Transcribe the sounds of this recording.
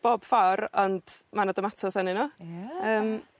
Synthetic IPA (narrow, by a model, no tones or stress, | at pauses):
b̥ɔb̥farɔnd̥manadɔmatʰɔsanɪnɔəːm